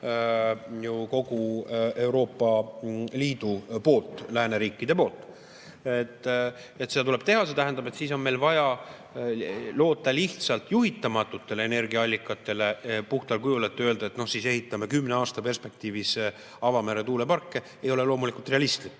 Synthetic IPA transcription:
juko̞ɡue̞wɾo̞ːpːˑɑliːd̪̥upo̞ːlt̪ːˑlæːneɾiːkːˑid̪e̞po̞ːlt̪ːˑ | et̪ːˑ | et̪ːse̞d̪ɑt̪ule̞b̥̚t̪e̞ɦɑse̞t̪æɦend̪̥ɑb̥e̞t̪siːso̞nme̞jlvɑjɑ | lo̞ːt̪ːˑɑliht̪sɑlt̪juɦit̪ːˑɑmɑt̪ːˑut̪ːe̞leene̞rɡiɑɑlʲːikːˑɑt̪ːˑe̞le̞puht̪ɑlkujulet̪ːˑeøld̪̥ɑet̪ːno̞hsiːse̞ɦit̪ːˑɑme̞kymːneɑːst̪ɑpe̞rspe̞k̚t̪iːvis | ɑvɑmæɾe̞t̪uːle̞pɑrkːe̞ | e̞jo̞le̞lo̞ːmulikult̪re̞ɑlist̪likː

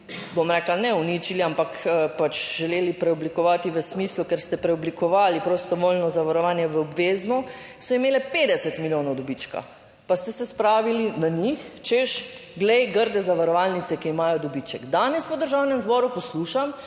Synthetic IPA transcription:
bomɾɛːklanɛunit͡ʃiliampakəpat͡ʃʒɛleːlipɾɛɔblikɔʋaːt̪iʋəsmislukɛɾst̪ɛpɾɛɔblikɔʋaːlipɾost̪ɔʋolnɔzaʋaɾɔʋaːnjɛʋəɔbʋeːznɔ | sɔimeːlɛped̪ɛsɛt̪miljoːnɔwd̪ɔbit͡ʃka̰ | past̪ɛsɛspɾaːʋilinaɲixt͡ʃɛʃɡlɛjɡəɾd̪ɛzaʋaɾɔʋalnit̪sɛkiːmaːjɔd̪ɔbit͡ʃɛkd̪aːnɛspɔd̪əɾʒawnɛmzbɔɾupɔsluʃam

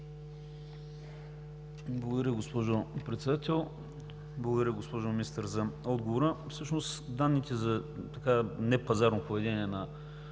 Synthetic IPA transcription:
blˠəɡoʊd̪ɐɾjəɡospɔʒopɾɛt̪sɛd̪at̪ɛlˠ | blˠəɡʊd̪ɐɾʲəɡospɔʒominist̪əɾzɐɔd̪ɡovoɾəfsɤʃnost̪d̪anːit̪ɛzɐt̪ɐkanɛpɐzaɾnopovɛd̪ɛniɛnɐ

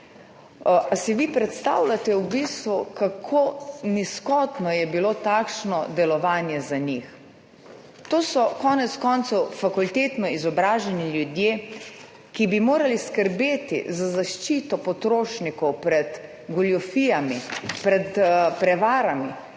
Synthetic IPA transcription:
asiʋipɾɛt̪st̪a̰wlat̪ɛwbist̪ʋukakʰoniskɔːt̪nɔjɛbilot̪aːkʃnɔd̪ɛlɔʋaːnjɛzaɲix | t̪oːsɔkɔːnɛt̪skɔːnt̪sɔwfakult̪eːt̪nɔizɔbɾaːʒɛniljud̪jeː | kibimoːɾaliskəɾbeːt̪ḭzazaʃt͡ʃiːt̪ɔpɔt̪ɾoːʃnikɔwpɾɛd̪ | ɡɔljɔfijamipɾɛt̪pɾɛʋaːɾami

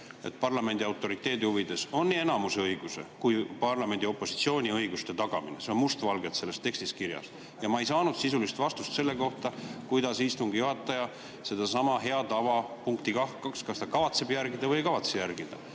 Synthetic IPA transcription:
e̞̰t̪pɑrlɑme̞nd̪̥ʲiɑwt̪ːˑo̞ɾit̪ːˑe̞ːd̪ihuvid̪e̞so̞nːienɑmuseɤjɡ̥use̞̰kujpɑrlɑme̞nd̪io̞pːˑo̞sit̪sio̞ːnʲiɤjɡ̥ust̪e̞t̪ɑɡ̥ɑmḭnese̞onmust̪vɑlɡe̞t̪se̞lːe̞st̪ːe̞kst̪iskiɾjɑ̰s | jɑmɑejsɑːnud̪̥sisulist̪vɑst̪ust̪se̞lːe̞ko̞ht̪ɑkujd̪̥ɑsist̪uŋɡ̥ijuɦɑt̪ːˑɑjɑ | se̞d̪̥ɑsɑmɑɦe̞ɑt̪ɑvɑpuŋkt̪ikɑhkɑkskɑst̪ɑkɑvɑt̪sebjærɡid̪̥ɑvɤjkɑvɑt̪sejærɡ̥id̪̥ɑ̰

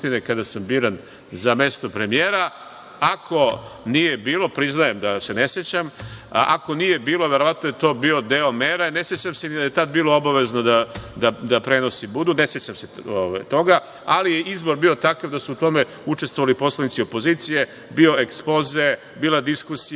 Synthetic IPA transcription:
t̪inekad̪asambiːɾan | zame̞st̪o̞pɾe̞mijeːɾa | akʰo̞nije̞biːlˠo̞pɾiznajemd̪ase̞ne̞sjet͡ɕamʔa̰ko̞nije̞biːlo̞ʋeɾo̞ʋat̪nojet̪o̞ːbio̞d̪eomeɾane̞sjet͡ɕamsenid̪ajet̪ad̪̚biːlo̞o̞baʋe̞znod̪ad̪ad̪apɾe̞no̞sibud̪une̞sjet͡ɕamseoʋa̰jt̪o̞ɡa | alijeʔizbo̞ɾbiːo̞t̪akaʋd̪asuːt̪o̞me̞ | ut͡ʃe̞st̪vʋo̞ʋalipo̞slˠanit̪sio̞po̞ziːt̪sije̞ | bio̞ekspoze̞ | biːlad̪iskusi

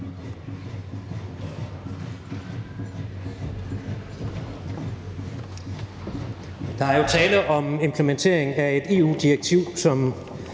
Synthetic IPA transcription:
d̥ɑ̈æɐjo̝t͡sʰɛːləʔɒ̽me̝mpʰləment͡sʰe̝̰ɐe̝ŋæe̝d̥e̝̰ːṵːd̥ieɡ̥̚t͡sʰiʊ̰sɒ̽m

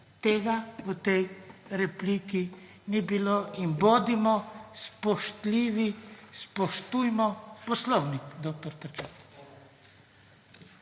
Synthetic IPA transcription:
t̪eːɡaʋət̪ɛjɾɛpliːki | nibiloːinboːd̪imɔspɔʃt̪liːʋispɔʃt̪ujmɔpɔslɔwnikd̪ok̚t̪ɔɾt̪əɾt͡ʃak

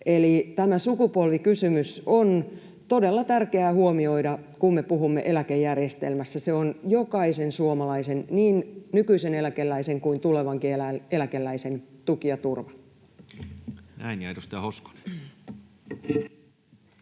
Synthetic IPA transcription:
elit̪æmæsukupolʋikysymyson | t̪odelːɑt̪ærkeæːhuomio̞idɑ | kummepuɦumːeʔelækejːærjest̪ḛlmæsːæseonjokɑisensuomɑlɑisenniːnnykyisenelækelːæiseŋkuint̪uleʋɑŋkielæelækelːæisent̪ukiɑt̪urʋɑn | næ̰injæit̪ost̪ɑhosko̥ne̥

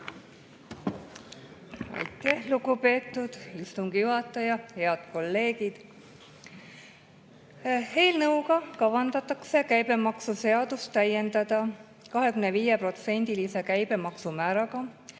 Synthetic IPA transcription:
ɑ̰jt̪ːˑehlukupe̞ːt̪ːˑud̪̥ist̪uŋɡ̥ijuɦɑt̪ːˑɑjɑhe̞ɑd̪̥̚ko̞lːe̞ːɡid̪̥ | he̞ːlnɤuwkɑkɑvɑnd̪̥ɑt̪ːˑɑkse̞kæjbe̞mɑksuse̞ɑd̪̥ust̪ːæje̞nd̪ɑd̪̥ɑ | kɑɦe̞kymneviːjepro̞t̪se̞nʲd̪̥ilise̞kæjb̥e̞mɑksumæːɾɑɡɑ

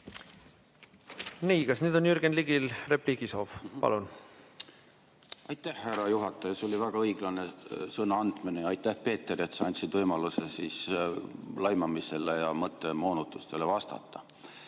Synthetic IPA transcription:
niːkɑsnyːd̪o̞njyɾɡenliɡilre̞pliɡisoːvpɑ̰lun | ɑjt̪ːæhːærɑjuɦɑt̪ːˑɑjɑso̞lʲivæɡ̥ɑɤjɡ̥lɑnesɤnɑɑnd̪̥minejɑɑjt̪ːˑæhpe̞ːt̪ːˑeɾiet̪sɑɑnʲt̪ʲsid̪vɤjmɑlusesiːs | lɑjmɑmiselejɑmɤt̪ːˑe̞mo̞ːnut̪ːˑust̪elevɑst̪ɑ̰t̪ˑːɑ

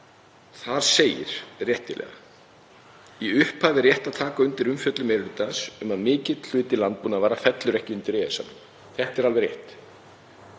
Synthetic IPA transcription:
θaðseːjɪ̰ɾ̥rjɛht̪ɪlʔɛ̰ːɣa̰ | iʏhphaːvɪrjɛht̪aðt̪ʰaːkaʏnt̪ɪɾʏmfjœt̪lʏmɛɾlʏːt̪asʏmaðmɪːcɪt̪l̥ʏːt̪ɪlant̪̚punavaːɾafɛt̪lʏɾɛhcɪʏnt̪ɪɾɛːsa̰nʏm | θɛht̪ɛɾalvɛɾrjɛht̪

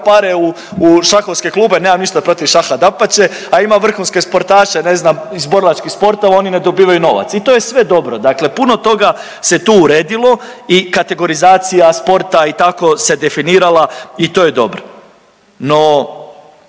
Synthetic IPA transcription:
paɾeu | uʃaxo̞ʋske̞klˠuːbene̞ːmamniʃt̪apɾo̞t̪iʋʃaxad̪apat͡ɕe̞ | aimaʋr̩xunske̞spo̞ɾt̪aːʃene̞znamizbo̞ɾlˠat͡ʃkispo̞ɾt̪oʋao̞nine̞d̪o̞biːʋajuno̞ʋa̰t̪sit̪oje̞sʋe̞d̪o̞bɾod̪akle̞puno̞t̪o̞ɡa | se̞t̪uːuɾe̞ːd̪ilo̞ikat̪e̞ɡo̞ɾizaːt̪sijaspo̞ɾt̪ait̪ako̞se̞d̪e̞finiːɾalˠait̪o̞ːje̞d̪o̞bɾo | no̞

